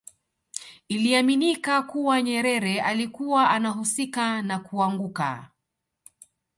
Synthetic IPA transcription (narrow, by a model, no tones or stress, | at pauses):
iliaminikakuwaɲɛɾɛɾɛalikuwaʔanaɦusikanakuaŋɡuka̰